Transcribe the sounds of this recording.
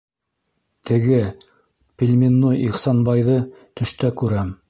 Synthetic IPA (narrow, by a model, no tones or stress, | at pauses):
t̪ʰɘ̆ɡɘ | pʲilʲmʲinːojiχsɑnbɑjðɤt̪ɵ̆ʃt̪ækʉɾæm